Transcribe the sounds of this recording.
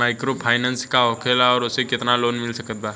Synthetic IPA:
maːɪkɾopʰaːɪnə̃nskaɦoːkʰəlɔːɾʊsekɪt̪naloːnmɪlsɐkət̪̚baː

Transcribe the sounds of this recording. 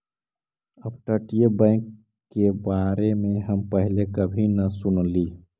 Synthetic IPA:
əbʈəʈijəbə̃ɪ̃kː | ebaɾemeɦəmpəɦilekəbʱinəsunli

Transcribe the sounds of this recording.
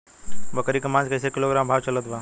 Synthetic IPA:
bəkəɾikɐmãnd͡ʒkɐjsekiloɡɾaːmbʱaʋt͡ʃɐlət̪ʋa

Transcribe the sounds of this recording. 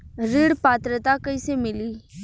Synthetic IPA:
ɾɪɽpaːt̪ɾət̪akəisemɪliː

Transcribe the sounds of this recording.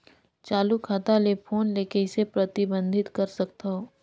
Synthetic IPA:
t͡ʃaːlukʰaːt̪alepʰoːnleːkeɪsepɾɐt̪ɪbə̃nd̪ʱɪt̪kɐɾsɐk̚t̪aɦoː

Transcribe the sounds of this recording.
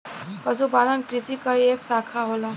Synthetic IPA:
pəs̬ubanənkɾisikəeksakʰaɦola

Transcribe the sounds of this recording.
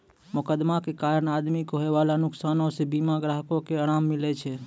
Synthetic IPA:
mʊkəd̪makekaɾəɳad̪mikoɦeʋalanʊksanosebimaɡɾaɦəkõkeəɽ̃amːɪlet͡ʃʰe

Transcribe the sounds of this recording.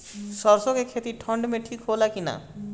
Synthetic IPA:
sɔɾsõkekʰet̪iʈʰəɳɖmẽʈʰiːkɦolakina̰

